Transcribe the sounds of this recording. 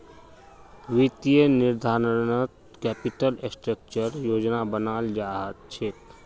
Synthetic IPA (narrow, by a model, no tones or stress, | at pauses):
ʋit̪ijəniɾd̪ʱaːɾnət̪ | kɛːpiʈəlesʈɾək̚t͡ʃəɾjoːd͡ʒnabənaːld͡ʒaːɦat̪̚t͡ʃʰeːt̪